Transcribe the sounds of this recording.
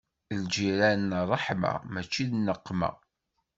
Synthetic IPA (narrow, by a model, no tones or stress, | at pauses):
ld͡ʒiɾænːərˤːəħma̰mæt͡ʃːiðnːəqːmæ̰